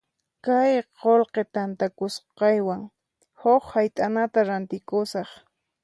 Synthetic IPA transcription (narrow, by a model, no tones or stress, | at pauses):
kajqolqet̪ant̪akʊsqɑjwaŋ | hoχhajt̪ʼanat̪aɾant̪ɪkʊsɑχ